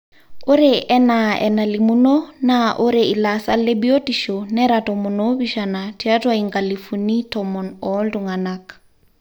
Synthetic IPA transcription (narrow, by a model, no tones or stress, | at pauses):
oɾeʔɛnaɛ̰nalimunonaʔoɾeilasalebiotiʃonɛɾatɔmunobiʃanatiatwaiŋɡalifunitɔmɔnɔlduŋanak